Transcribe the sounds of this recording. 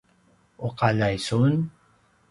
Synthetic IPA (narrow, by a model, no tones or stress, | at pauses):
ʊqalajsun